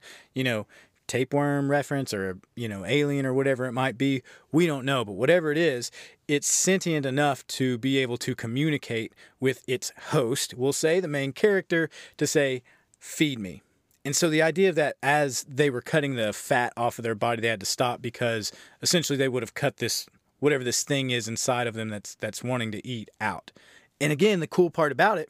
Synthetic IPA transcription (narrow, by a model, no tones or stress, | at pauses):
jɨñoʊ | tʰeɪpwɜ̃˞mɹɛfɹɨ̃nsə˞ɨjɨñoʊeɪlˠiɨ̃ɾ̃ə˞wʌɾɛvə˞ɨt̚maɪt̚b̥iwiɾõʊ̃nːoʊbʌt̚wʌɾɛvə˞ɨɾɪzɪtsɛ̃ntiɨ̃nɨnʌftʰɨbieɪbl̩ˠtʰɨkʰɨmjʉñɨkʰeɪt̚wɪðɪtshoʊst̚wɪlˠseɪðɨmẽɪ̃nkʰɛɹɨk̚tə˞ɾɨseɪ | fid̚mḭ | ɨ̃nsoʊðiaɪdiɨʌvðɨɾɨzðeɪwə˞kʰʌɾɪ̃ŋðɨfæɾɔfʌvðə˞bɑɾiðeɪɨd̚tɨstɑp̚b̥ɨkʰʌzɨsɛ̃nʃl̩ˠiðeɪwʊɾɨv̥kʰʌt̪̚ðɪs | wʌɾɛvə˞ðɪsθɪ̃ŋɪzɨ̃nsaɪɾʌvðɨ̃mðɨtsðɨtswɑ̃ɾ̃ɪ̃ŋtɨʔiɾaʊɾ | ɨ̃ñɨɡɛ̃nðɨkʰulˠpʰɑɹɾʌbaʊɾɨt̚